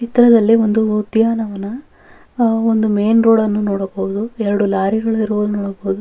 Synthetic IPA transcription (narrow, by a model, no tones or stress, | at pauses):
t͡ʃit̪ɾɐd̪ɐlːio̞nd̪ud̪jaːnɐʋɐnːɐ | ond̪umeːnɾoːɽɐnːunoːɽɐbɐʋud̪uɛɾɐɽulaːɾiɡɐɭuiɾɐʋoːd̪unɔːɽɐboud̪u